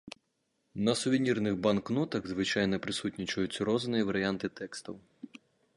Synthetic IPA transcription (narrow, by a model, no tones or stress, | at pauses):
nɐsʊʋʲinʲirnɨɣbanknɔt̪ɐɣzʋɨt͡ʃajnɐpɾɨsutʲnʲit͡ʃɐjut͡sʲːɾɔznɨjɐʋɐɾɨjant̪ɨt̪ɛkst̪ɐw